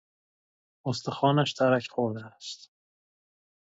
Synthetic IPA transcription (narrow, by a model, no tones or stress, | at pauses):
ost̪exɒːnæʃt̪ʰæɾæcʰχoɾd̪eæst̪